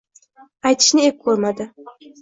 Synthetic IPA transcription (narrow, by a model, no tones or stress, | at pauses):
ajt̪ʰɪ̥ʃnɪep̚kʰɵɾmad̪ɪ